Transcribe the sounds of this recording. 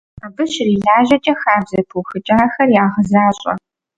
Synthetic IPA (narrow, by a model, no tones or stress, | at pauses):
abɨɕriːɮaːʒɐt͡ʃʼɐxaːbzɐpʰuxɨt͡ʃʼaːxɐrjaːʁəzaːɕʼɐ̰